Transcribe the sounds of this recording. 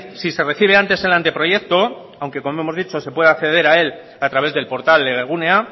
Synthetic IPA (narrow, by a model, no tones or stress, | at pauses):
sise̞re̞θiβ̞eant̪e̞se̞lant̪e̞pɾo̞ʝe̞k̚t̪o̞ | awŋke̞komoe̞mo̞zðit͡ʃo̞se̞pwe̞ð̞akθe̞ð̞e̞ɾae̞l | at̪ɾaβ̞e̞zðe̞lpo̞ɾt̪ald̪eɣeɣ̞unea